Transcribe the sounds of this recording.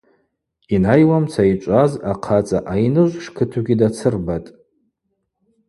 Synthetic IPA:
inajwamt͡sʰait͡ʃʷʼazaqʰat͡sʼaʔajnɨʒʷʂkʰɨtʰuɡʲidat͡sʰɨrbatʼ

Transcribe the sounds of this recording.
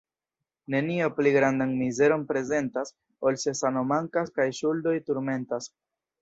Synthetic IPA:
ne̞niopliɡɾandanmize̞ɾo̞npɾe̞ze̞ntas | olse̞sano̞maŋkaskajʃuldo̞jtuɾme̞ntas

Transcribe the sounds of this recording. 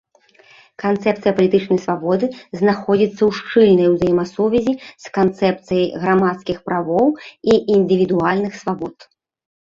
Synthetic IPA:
kant̪sɛpt̪sɨjɐpɐlʲit̪ɨt͡ʂnɐjsvabɔd̪ɨznaxɔd͡zʲit̪sːɐwʂt͡ʂɨlʲnɐjwzajɛmɐsuvʲɛzʲiskant̪sɛp̚t̪sɨjɐjɣɾamat̪skʲixpɾavɔwiʔind̪ɨvʲid̪ualʲnɨxsvabɔt̪

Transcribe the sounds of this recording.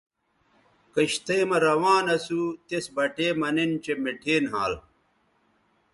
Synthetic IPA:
kɐɕt̪emɐɾɐwaːnɐsut̪esbɐʈeːmɐnint͡ɕemeʈʰeːnɦaːl

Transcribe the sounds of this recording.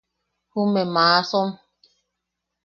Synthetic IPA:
humemaːsom

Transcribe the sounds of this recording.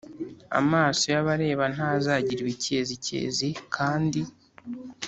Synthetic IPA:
a̰maːso̞jaβaɾe̞ːβan̥hazaːɟiɾiβice̞ːzicḛːzikʰaːndi

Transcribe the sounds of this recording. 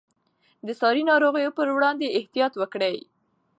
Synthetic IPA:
d̪əsɑɾinɑɾoɣəjopəɾwɽɑnd̪eɪht̪ijɑt̪wəkɽəj

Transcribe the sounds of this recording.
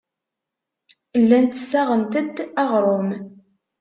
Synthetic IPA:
lːænt̪əsːæʁənt̪əd̪ɑʁɾˤom

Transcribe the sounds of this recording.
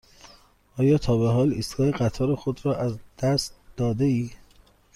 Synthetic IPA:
ʔɒːjɒːt̪ʰɒːbeɦɒːliːst̪ɡɒːeɣæt̪ʰɒːɾexod̪ɾɒːʔæzd̪̥æst̪d̪̥ɒːd̪eiː

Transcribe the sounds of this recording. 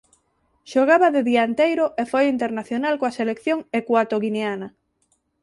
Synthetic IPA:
ʃoɣaβaðeðiaent̪ejɾoʔefojint̪eɾnaθjonalkoaselekθjoŋekwat̪oɣineana

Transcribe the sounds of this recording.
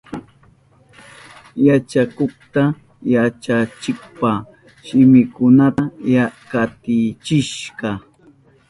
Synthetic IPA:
jat͡ʃakoχt̪a | jat͡ʃat͡ʃɪkpa | ʃɪmɪkʊnatjakat̪ɪt͡ʃɪʃɢɑ

